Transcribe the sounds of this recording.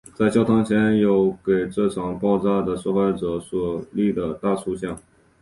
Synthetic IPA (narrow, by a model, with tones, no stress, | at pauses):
t͡sa˥˩ɪt͡ɕjɑ˥ʊt̪ʰɑ˥ŋt͡ɕʰjɛ˧˥njo˧˥ʊke˨˩ɪʈ͡ʂɤ˥˩ʈ͡ʂʰɑ˨˩ŋpɑ˥˧ʊt͡sa˥d̪ə˨ʂɔ˥˧xwa˥˩ɪʈ͡ʂɤ˧˩˦swɔ˨˩li˥˩d̪ə˩t̪a˥˧su˥˧ɕjɑ˥˩ŋ